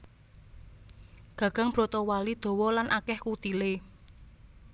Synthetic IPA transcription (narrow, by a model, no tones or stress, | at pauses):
ɡ̥ä̤ɡ̥a̤ŋb̥ɾot̪ɔwalid̪̥o̤wɔlanʔakɛhkut̪ile